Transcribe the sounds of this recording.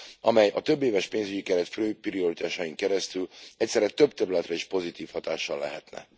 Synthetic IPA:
ɒmɛjɒt̪øbːeːvɛʃpeːnzyɟikɛɾɛt̪føːprio̞ɾit̪aːʃɒjiŋkɛɾɛst̪ylɛcʲsɛɾɛt̪ø̞bt̪ɛɾylɛt̪rɛiʃpo̞zit̪iːfhɒt̪aːʃːɒlːɛ̰ɦɛt̪nɛ̰

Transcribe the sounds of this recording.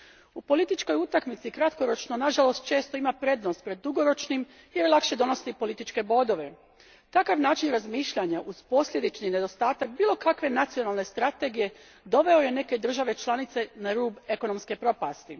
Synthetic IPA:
upo̞lit̪it͡ʃko̞jut̪akmit̪sikɾat̪ko̞ɾo̞t͡ʃno̞naʒalo̞st̪̚t͡ʃe̞ːst̪o̞imapɾe̞ːd̪nost̪̚pɾe̞d̪ːuɡo̞ɾo̞t͡ʃnim | jellakʃe̞d̪o̞no̞st̪ipo̞lit̪it͡ʃke̞bo̞d̪o̞ʋe̞ | t̪akaʋnaːt͡ʃinɾazmiːʃʎaɲaʔuz̥po̞sʎʲe̞d̪it͡ʃnine̞d̪o̞st̪aːt̪ak̚biːlˠo̞kakʋe̞nat̪sijo̞nalˠne̞st̪ɾat̪e̞ɡije̞ | d̪o̞ʋe̞o̞je̞ne̞ke̞d̪r̩ʒaʋe̞t͡ʃlˠanit̪se̞naɾuːbe̞ko̞no̞mske̞pɾo̞past̪i

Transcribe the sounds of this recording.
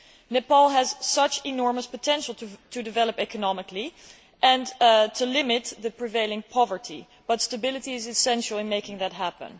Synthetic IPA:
nɨpɔlˠɦəz̥sʌt͡ʃɪnɔɹməspətʰɛ̃nʃl̩ˠttʰɨdɨvɛlˠəpɛkənɑmɪkli | ʔɛ̃ntʰɨlɪmɪt̪̚ðɨpʰɹ̥iveɪlˠɪ̃ŋpʰɑvə˞tʰḭ | b̥ʌtstəbɪlˠətiɪzɨsɛ̃nʃl̩ˠɪ̃nmeɪkɪ̃ŋðɨt̚ɦæpə̰̃n

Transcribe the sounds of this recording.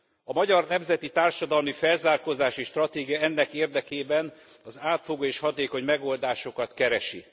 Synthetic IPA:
ɒmɒɟɒrnɛmzɛt̪it̪aːrʃɒd̪ɒlmifɛlzaːrkozaːʃiːʃt̪rɒt̪eːɡijɒɛnːɛkeːrd̪ɛkeːbɛn | ɒzaːt̪foɡoːeːʃhɒt̪eːko̞ɲmɛɡo̞ld̪aːʃo̞kɒt̪kɛɾɛʃi

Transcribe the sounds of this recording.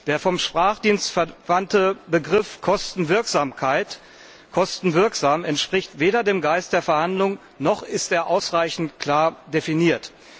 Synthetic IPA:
d̥eːɐfɔmʃpʁ̥aːχd̥iːnstfɛɐvantəbəɡʁɪfkʰɔstn̩vɪɐkz̥aːmkʰaɪt | kʰɔstn̩vɪɐkz̥aːmɛntʃpʁ̥ɪçtv̥eːɾɐdeːmɡaɪst̚d̥eːɐfɛɐhandlʊŋ | nɔχɪsteːɐʔaʊsʁaɪçn̩tkʰl̥aːɐdefiniːɐt

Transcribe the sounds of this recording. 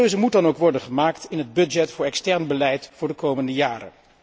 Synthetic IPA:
øɥzəmut̚dɑnowkʋɔɹdənχəmaːktɪnɦəd̚bɵd͡ʒɛtfʊːɹɛkstɛɹnbəlɛjtfʊːɹdəkowməndəjaːɾə̰n

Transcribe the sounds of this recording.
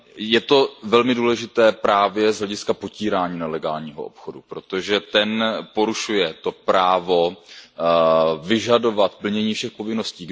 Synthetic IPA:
jɛt̪o̞vɛlmɪduːlɛʒɪt̪ɛːpɾaːvjɛzɦlɛɟɪskapo̞ciːɾaːɲiːnalɛɡaːlɲiːɦo̰ʔo̰pxodupɾo̞t̪o̞ʒɛt̪ɛnpo̞ɾuʃujɛt̪o̞pɾaːvo̞ | vɪʒado̞vat̪pl̩ɲɛɲiːfʃɛxpo̞vɪno̞sciːɡ

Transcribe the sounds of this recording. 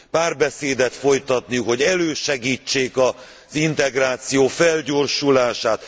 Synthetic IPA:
paːrbɛseːd̪ɛt̪fo̞jt̪ɒt̪nijukho̞ɟɛløːʃɛɡiːt͡ʃːeːkɒ | zint̪ɛɡraːt̪sijoːfɛlɟoːrʃulaːʃaːt̪

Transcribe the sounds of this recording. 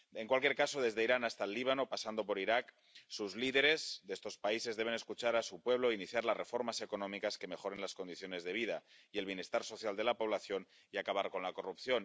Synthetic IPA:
e̞ŋkwalkjeɾkasoð̞e̞zðeiɾanast̪alːiβ̞ano̞pasand̪o̞po̞ɾiɾak | suzliðe̞ɾe̞zðest̪o̞spaise̞zðeβ̞e̞ne̞skut͡ʃaɾasupwe̞β̞loiniθjaɾlazre̞fo̞ɾmase̞ko̞nõmikaske̞me̞xo̞ɾenlaskond̪iθjo̞ne̞zðeβ̞ið̞aie̞lβje̞ne̞st̪aɾso̞θjald̪e̞lapo̞β̞laθjo̞n | iakaβaɾko̞nlako̞rupθjo̞n

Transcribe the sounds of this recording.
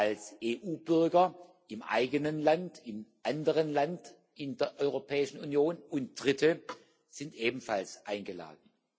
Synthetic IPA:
ʔalsʔeːʔuːbʏɐɡɐ | ʔɪmʔa̰ɪɡənənlantɪmʔandəʁənlant | ʔɪndeːɐʔɔʏʁopʰɛːɪʃn̩unjoːnʊnt̚d̥ʁɪtʰə | z̥ɪntʔeːbm̩falsʔaɪnɡəla̰ːdn̩

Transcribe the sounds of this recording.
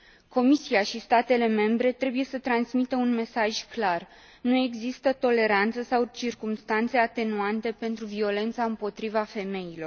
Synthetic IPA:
ko̞misiaʃist̪at̪e̞le̞me̞mbɾe̞t̪ɾe̞buje̞sət̪ɾansmit̪əunme̞saʒʲklar | nue̞ɡzist̪ət̪o̞le̞ɾant̪səsawt͡ʃirkumst̪ant̪se̞at̪e̞nuant̪e̞pe̞nt̪ɾuvio̞le̞nt̪saɨmpo̞t̪ɾivafe̞me̞jilo̞r

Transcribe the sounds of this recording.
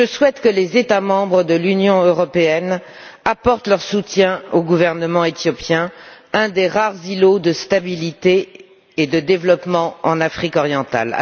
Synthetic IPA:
ʒəswɛt̪kəlezet̪amɑ̃bʁəd̪əlynjɔ̃øʁɔpeɛn | apɔʁt̪lœʁsut̪jɛ̃oɡuvɛʁnəmɑ̃et̪jɔpjɛ̃ɛ̃d̪eʁaʁzilod̪əst̪abilit̪eː | d̪əd̪evlɔpmɑ̃ɑ̰̃nafχikɔʁjɑ̃t̪a̰l

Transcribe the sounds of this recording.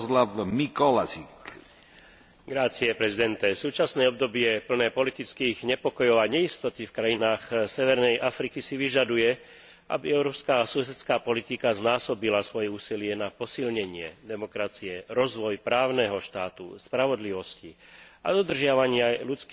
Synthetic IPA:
slavmikɔlasik | ɡɾat͡siɛpɾɛzid̪ɛnt̪ɛsuːt͡ʃasnɛːɔbd̪ɔbɪɛpl̩nɛːpɔlit̪it͡skiːɣɲɛpɔkɔjɔʊaɲɛist̪ɔt̪ifkɾajinaːxsɛʋɛɾnɛjʔafɾikisiʋiʒad̪ujɛ | ʔa̰biɛʊɾɔːpskaːsusɛt̪t͡skaːpɔlit̪ikaznaːsɔbilasʋɔjɛuːsilɪɛnapɔsilɲɛɲɪɛd̪ɛmɔkɾat͡siɛɾɔzʋɔjpɾaːʊnɛɦɔʃt̪aːt̪ṵspɾaʋɔd̪liʋɔsci | a̰d̪ɔd̪r̩ʒɪaʋaɲɪalut͡sk

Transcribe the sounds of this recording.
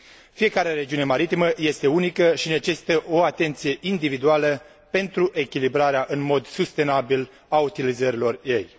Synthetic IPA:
fije̞kaɾeɾe̞d͡ʒiune̞maɾit̪iməje̞st̪e̞unikəʃine̞t͡ʃe̞si̥t̪əʔo̞at̪e̞nt̪sije̞ʔind̪ivid̪ualə | pe̞nt̪ɾuʔe̞kʲilibɾaɾeaʔɨnmo̞d̪sust̪e̞nabil | aut̪ilizəɾilo̞rje̞j

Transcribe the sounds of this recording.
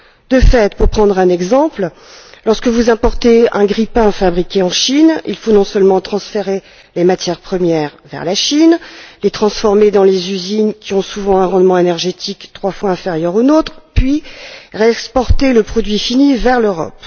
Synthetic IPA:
d̪əfɛt̪puʁpχɑ̃d̪ʁɛ̃nɛɡzɑ̃pl | lɔʁskəvuzɛ̃pɔʁt̪eɛ̃ɡʁipɛ̃fabʁikʲeɑ̃ʃinḭlfonɔ̃sœlmɑ̃t̪χɑ̃sfeʁe | lemat̪jɛʁpχəmjɛʁvɛ̰ʁlaʃinlet̪χɑ̃sfɔʁmed̪ɑ̃lezyzinkʲiɔ̃suvɑ̃ɛ̃ʁɑ̃d̪mɑ̃enɛʁʒet̪ʰikt̪χwafwaɛ̃feʁjœʁonot̪χpɥiʁeɛkspɔʁt̪eləpχɔd̪ɥifinivɛʁløʁɔ̰p

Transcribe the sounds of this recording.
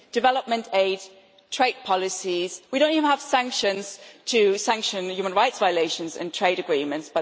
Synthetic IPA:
d̥ɨvɛləp̚mə̃ntʰeɪd | tʰɹ̥eɪd̚pʰɒlɪsiz̥widõʊ̃ntivənəv̥sæ̃ŋkʃə̃nz̥tʰɨsæ̃ŋkʃə̃njʉːmə̃nɹaɪtsvaɪəleɪʃə̃nzɪ̰̃ntʰɹ̥eɪɾəɡɹĩmə̃ntsb̥ʌ

